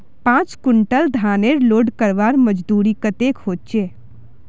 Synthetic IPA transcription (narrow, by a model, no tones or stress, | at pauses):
pãːt͡ʃkʊɳʈəld̪ʱaːneɾloːɖkəɾʋaːɾməd͡ʒd̪uːɾikət̪eːkɦoːt̪̚t͡ʃeː